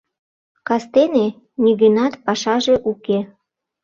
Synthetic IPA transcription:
kɑst̪ene | niɣənɑt̪pɑʃɑʒe̽ʔuke

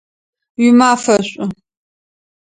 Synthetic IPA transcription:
ɥimaːfɐɕʷʼʊ

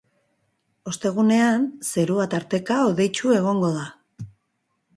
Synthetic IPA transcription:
o̞st̪e̞ɣ̞une̞anse̞ɾuat̪aɾt̪e̞kaoðe̞jt͡ʃue̞ɣ̞o̞ŋɡo̞ða

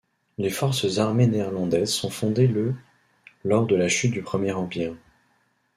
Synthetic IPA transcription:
lefɔʁsəzaʁmeneːʁlɑ̃d̪ɛzsɔ̃fɔ̃d̪elə | lɔʁd̪əlaʃyt̪̚d̪ypχəmjɛʁɑ̃piʁ

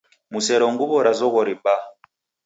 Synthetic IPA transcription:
musɛɾɔŋɡuβɔɾazɔɣɔɾiba

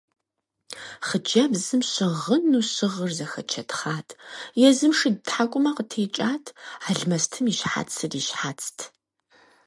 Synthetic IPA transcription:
χəd͡ʒɐbzɨmɕɪʁənuːɕɪʁərzɐxɐt͡ʃʰɐtʰχaːtʰjɛzɨmʂɨdtħakʷʼʊmɐqətʰeːt͡ʃʼaːtʰaːɮmɐstʰɨmiːʃħa̰t͡sʰɨriːʃħat͡sʰtʰ

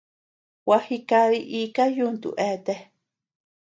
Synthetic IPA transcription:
wahikaɾiʔikajunt̪ṵʔet̪e

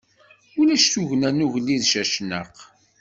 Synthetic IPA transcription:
ʊlæʃθuʝnænuʝlːiðʃæʃnə̰q

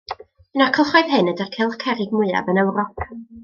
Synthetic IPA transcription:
ənakʰəlˠχɔjðɦɨnədərkʰɛlˠkʰɛɾɪɡ̚mʊɨa̰vənɛwrɔk

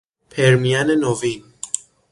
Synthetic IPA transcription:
pʰeɾmijanenovin

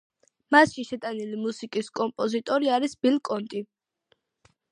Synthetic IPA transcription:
masʃiʃɛt̪ʼanilimusikʼiskʼɔmpʼɔzit̪ʼɔɾiaɾisb̥ilkʼɔnt̪ʼi

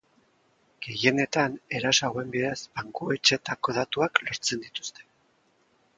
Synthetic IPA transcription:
ɡ̥e̞je̞ne̞t̪ane̞ɾasoaɣoe̞mbiðezbaŋkue̞t͡ʃe̞t̪ako̞ð̞at̪uaklo̞ɾt͡se̞nd̪it̪u̥st̪e̞̥

